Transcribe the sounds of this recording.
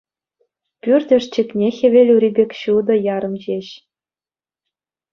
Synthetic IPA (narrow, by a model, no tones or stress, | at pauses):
pʲyrʲdʲɘ̆ʂt͡ɕɘ̆kʲnʲexʲĕʋʲelʲuɾʲibʲekʲɕud̪ɤ̆jɑɾɤ̆md͡ʑeɕ